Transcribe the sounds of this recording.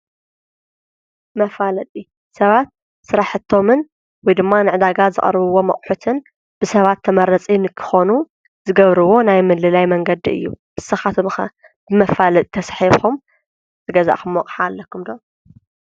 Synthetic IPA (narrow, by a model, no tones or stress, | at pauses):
mɐfalɐt̪ʼi | sɐβat̪̚ | sɨɾaħɨt̪ʰːo̞mɨn | wɔjd̪ɨmːanɨʕɨd̪aɡazɨχʼɐ̰ɾβɨwo̞mɐ̰χʼħut̪ʰɨn | b̥ɨsɐβat̪ʰːɐmɐɾɐt͡sʼinɨkʰɨ̥xonu | zɨɡɐβɾɨwo̞najmɨlɨlajmɐŋɡɐd̪iɨ̰jːṵbɨsɐxat̪ʰxɐ | b̥ɨmɐfalɐt̪ʼit̪ʰɐsħixom | t̪ʰɨɡɐza̰ʔkɨmːɐkʼħaːlːɐkʰːumd̪o